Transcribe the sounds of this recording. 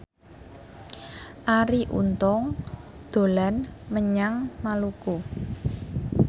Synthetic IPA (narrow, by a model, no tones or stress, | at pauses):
ʔaɾiʔṵnt̪ɔŋ | d̪̥o̤lanməɲaŋmaluku